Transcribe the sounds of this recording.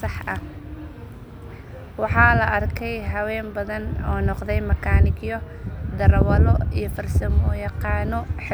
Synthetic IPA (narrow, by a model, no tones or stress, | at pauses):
sɑħʔɐ | wɑħɑːlɐʔɐrkʰɛjɦɐwɛːmbɐðɐnɔːnɔqðɛjmɐkʰaːnɪɡjɔ | d̪ɐɾwɐlɔijɞfɐrsɐmɔjɑqɑːnɔħ